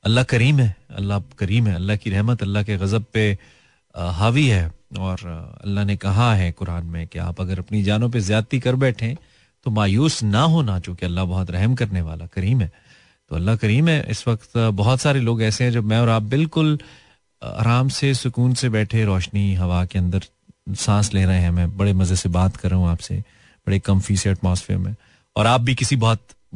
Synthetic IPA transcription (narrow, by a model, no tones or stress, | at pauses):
ɐlːaɦkɐɾiːmɦɛːɐ̰lːakɐɾiːmɦɛ̃ːɐlːaɦkiɾɛɦmət̪ɐlːaɦkeɣɐzəb̚pe | ɦaːʋiɦɛːɔːɾɐ̰lːaɦnekɐɦaɦɛkʊɾaːnmẽkea̰ːpɐɡəɾɐpnid͡ʒaːnõp̬ezjaːt̪ikɐɾbɛːʈʰẽ | t̪omaːjuːsnaɦoːnat͡ʃõːkeɐlːabɐɦɔt̪ɾɛɦəmk̬ɐɾneʋaːlakɐɾiːmɦɛː | t̪oːɐlːakɐɾiːmɦɛʔɪ̰sʋɐkt̪bɔɦɔt̪saːɾeloːɡɛːseɦɛ̃d͡ʒobmɛ̃ɔːɾaːp̚bɪlkʊl | a̰ːɾaːmsesʊkuːnsebɛːʈʰeɾɔːʃniɦɐʋakeɐ̃nd̪əɾ | sãːsleːɾɐɦeɦɛ̃mɛ̃ːbɐɽemɐzesebaːt̪kɐɾːɐɦũaːpsḛ | b̥ɐɽekɐmfiseɐʈmaːsfḛːɾmẽ | ɔ̰ːɾaːp̚bʱikɪsibɔɦt̪̚